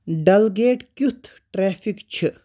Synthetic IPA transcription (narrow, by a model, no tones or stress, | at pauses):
ɖɐlɡeːʈkʲut̪ʰ | ʈɾeːfikt͡ɕʰi